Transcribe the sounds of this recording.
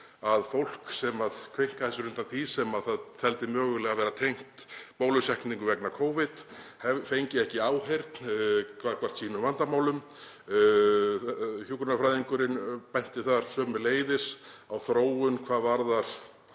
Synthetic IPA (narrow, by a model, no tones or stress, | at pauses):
aðfowl̥ksɛmaðkʰvejŋ̥kaθɛsːʏɾʏnt̪at̪ʰisɛmaðθaðθɛlt̪ɪmœːɣʏlɛɣavɛːɾat̪ʰejŋ̥t̪poːwlʏsɛhkniŋkʏvɛknakʰoːwvɪt̪hɛfejɲcɪɛhcɪaːwɦejɾt̪nkʰakʰvar̥t̪siːnʏvant̪amaːwlʏm | çjukɾʏnafɾajðiŋkʏɾɪnpɛjn̥t̪ɪθaɾ̥sœːmʏleːjðɪsawθɾoːwʏnkʰvaːðvaɾðaɾ̥